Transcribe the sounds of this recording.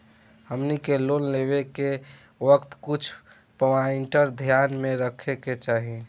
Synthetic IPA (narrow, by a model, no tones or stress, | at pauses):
həmnikelonleβeke | ʋəkt̪kut͡ʃʰ | pəwaɪɳʈəɾd̪ʱjanmẽɾəkʰeket͡ʃaːɦi